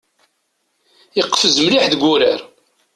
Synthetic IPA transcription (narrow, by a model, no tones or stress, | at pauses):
jəqːfəzmliħðəɡʷuɾəɾ